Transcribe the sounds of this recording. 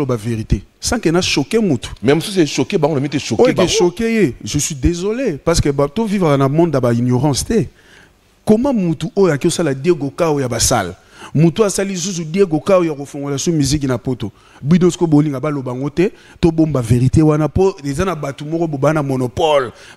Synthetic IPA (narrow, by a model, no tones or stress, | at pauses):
lobaveʁitesãkenaʃokemutu̥mɛmosus̬eʃokebaŋɡonamiteʃooekeʃokejeʒəswidezolepasketovivʁakanamɔ̃ndjabainjoʁɑ̃stɛ | komãmutuojoakiosaladeɡokawojabasa̰l | mutuasalis̬us̬udeɡokaojakofoŋɡolasumizik̬napoto | bidoskoboliŋɡabalobaaŋɡotɛ | tobombaveʁitewanapoezanabatumɔkɔbobanamonopɔl